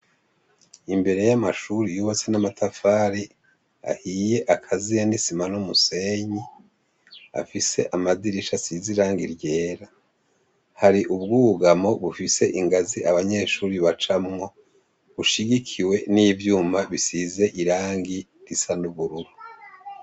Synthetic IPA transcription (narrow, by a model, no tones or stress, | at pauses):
imbe̞ɾe̞jamaʃuɾijoβasenamatʰafaːɾi | a̰hiːje̞ʔakʰazijanisimanumuse̞ːɲi | a̰fise̞̰ʔamaziɾiʃasiziɾaːŋɡiɾje̞ːɾa | haɾiʔuβɡuːɡamo̞βufise̞ʔiŋɡaziaβaɲe̞ːʃuːɾiβat͡ʃamŋo̞ | βuʃiɡikʰiwe̞nivjuːmaβisize̞ʔiɾaːŋɡi | ɾisanuβuɾuɾu